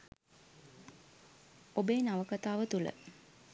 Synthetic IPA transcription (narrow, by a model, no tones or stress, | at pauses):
obeːnaʋəkat̪aːʋət̪ulə̰